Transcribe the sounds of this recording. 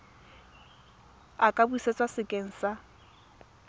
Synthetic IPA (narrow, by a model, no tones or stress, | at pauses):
akʼabuiset͡sʼwasɪkʼeŋ̩sa